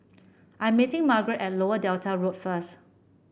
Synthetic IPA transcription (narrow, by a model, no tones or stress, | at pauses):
ʔãjɛ̃mːitɪ̃ŋmaɡɹɛtɛt̚loədɛltʰaɹotfəs